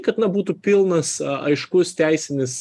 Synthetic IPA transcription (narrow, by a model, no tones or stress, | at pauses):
kɐt̪nɐbuːt̪uːpʲɪlˠnɐsɐ̰ɪʃkʊst̪ʲæɪsʲɪnʲɪs